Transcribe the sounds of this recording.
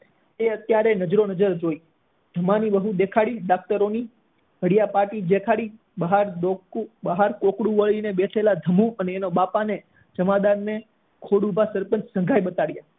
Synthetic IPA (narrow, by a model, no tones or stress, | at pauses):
eət̪jaɾenəd͡ʒɾonəd͡ʒəɾd͡ʒoi | d̪ʱəmaniʋəɦũd̪ekʰaɽiɖak̚t̪əɾoni | ɦəɽjapaʈid͡ʒekʰaɽi | bəɦaɾd̪okubəɦaɾkokɽũʋəɭinebeʈʰelad̪ʱəmõʔəneːnobapane | d͡ʒəmad̪aɾne | kʰoɽubʱasəɾpənssə̃ŋɡʱajɓət̪aɽja